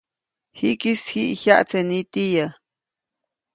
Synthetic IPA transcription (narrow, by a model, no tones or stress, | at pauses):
hiʔkishiʔçaʔt͡sʰenit̪ija